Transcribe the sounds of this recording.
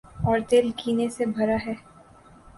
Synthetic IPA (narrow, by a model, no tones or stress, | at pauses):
ɔːɾt̪eːlkiːnesebʱɐɾaɦɛː